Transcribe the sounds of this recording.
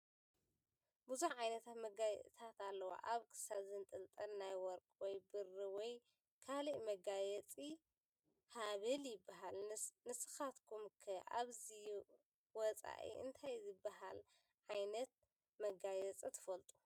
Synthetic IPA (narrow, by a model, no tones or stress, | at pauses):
buzuħʕajnɐt̪ʰat̪mɐɡajɛ̰t̪ʰat̪alːɐwa̰ʔaβkʰɨ̥saβzɨnt̪ʼɨlt̪ʼɐnnajwɔɾkʼwɔjbɨrːɨwɔj | kʰaliʔmɐɡajɛt͡sʼi | haβɨljɪbːaɦalnɨsɨxat̪kʰumkʰɐʔa̰βzi | wɔt͡sʼa̰ʔḭʔɨ̰nt̪ʰajzɨbːaɦal | ʕajnɐt̪̚ | mɐɡajɛt͡sʼit̪ʰɨ̥fɐlt̪ʼu̥